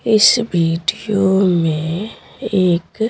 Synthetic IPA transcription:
ɪsbʱiːɖijomẽ | eːk

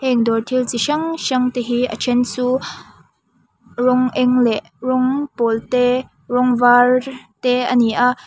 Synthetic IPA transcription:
hɛŋd̪ɔrt̪ʰilt͡siʃɐŋʃɐŋt̪eɦiʔə̰t͡ʃʰɛnt͡suː | rɔŋʔɛŋlɛʔ | rɔŋpɔlt̪ɛ | rɔŋvart̪ɛɐniʔaʔ

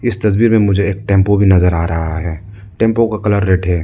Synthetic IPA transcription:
ɪst̪ɐsbiːɾmẽmʊd͡ʒʱeeːk̚ʈɛ̃ːmpobʱinɐzəɾaːɾɐɦaɦɛː | ʈɛ̃ːmpõkakɐləɾːeːʈɦɛː

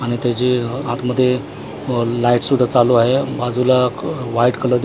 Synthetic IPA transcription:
aɽ̃it̪jat͡ɕeãt̪məd̪ʱːje | laiʈsud̪ʱːat͡saloaɦebad͡zʱulaʋaiʈkələɾd̪

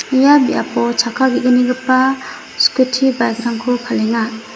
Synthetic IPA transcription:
ijabiʔapɔt͡ʃʰakʰaɡiʔɯniɡɯpa | skutʰibajɡɾamkʰɔpʰaleŋa

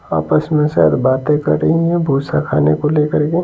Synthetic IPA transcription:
a̰ːpəsmẽsɛ̰ɦd̪baːt̪ẽkə̰ʈeɦĩɛbʱuːsakʰa̰ːnḛkoleːkəɾɡe

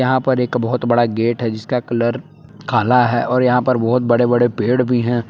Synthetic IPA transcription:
jɐɦãpɐɾeːkbɔɦʊt̪bɐɽaɡeːʈɦɛd͡ʒɪskakɐləɾ | kʰaːlaɦɛːʔɔːɾjɐɦãpɐɾbɔɦʊt̪̚bɐɽebɐɽepeːɽbʱiɦɛ̃ː

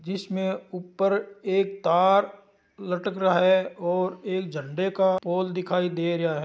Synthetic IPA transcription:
d͡ʒɪsmẽupːəɾeːkt̪aːɾ | lɐʈəkɾɐɦaɦɛɔːɾeːk̚d͡ʒə̃ɳɖekapoːld̪ɪkʰaːid̪eːɾɐaɦɛ

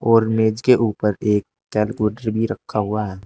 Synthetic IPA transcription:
ɔːɾmeːd͡ʒkeʔuːpəɾeːk̚ | tɛːlɡoːɖəɾbʱiɾɐkʰːaɦʊaɦɛː

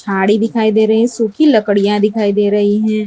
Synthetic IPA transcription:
t͡ʃʰaːɽid̪ɪkʰaːid̪eːɾɐɦiɦɛ̃suːkʰilɐkəɽijãd̪ɪkʰaːid̪eːɾɐɦiɦɛ̃ː

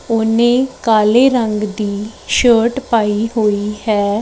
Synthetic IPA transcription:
ʊnẽːkaːleːɾəŋɡd̪iːʃəːʈpaːiːɦoːiːɦɛː

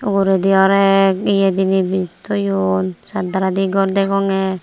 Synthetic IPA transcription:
uɡuɾɛd̪iɔɾɛk̚ijed̪inibit̪ujunsad̪aɾad̪iɡɔrd̪ɛkɔŋe

